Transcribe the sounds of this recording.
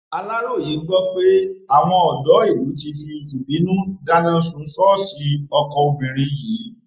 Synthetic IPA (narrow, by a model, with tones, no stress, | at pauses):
a˧la˦ɾo˦˨ji˨˦ɡ͡bɔ˦k͡pe˦a˨w̃ɔ̃˧ɔ˨dɔ˨˦i˦˨wu˨˦ti˧fi˧i˧ku˨bi˨˦nũ˦da˦nã˦sũ˨˧˦sɔ˦˨si˧ɔ˧kɔ˧o˧ɡ͡be˨ɾi˧jiː˨˦